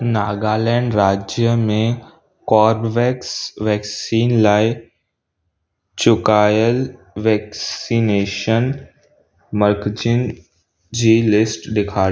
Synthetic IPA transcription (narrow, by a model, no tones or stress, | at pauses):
naːɡaːlɛ̃ːɳɖɾaːd͡ʑjəmẽ | kɔːɾʋɛːksʋɛːksiːnlaːɪ | t͡ɕʊkaːjəl | ʋɛːksineːʃən | məɾkd͡ʑɪn | d͡ʑiːlɪsʈɗɪkʰaːɽ